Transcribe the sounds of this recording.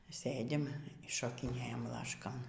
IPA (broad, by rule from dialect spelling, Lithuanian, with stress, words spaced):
ˈsɘ dʲɪm ʃoːkʲɪˈnʲeːjɛm ˈlˠɑːʃkoːn